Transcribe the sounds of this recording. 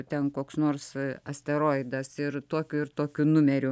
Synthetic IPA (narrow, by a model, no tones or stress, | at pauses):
t̪ʲɛnkoːksnoːrsɐsʲt̪ʲɛɾoːɪd̪ɐsɪrt̪oːkʲʊɪrt̪oːkʲʊnʊmʲɛɾʲʊ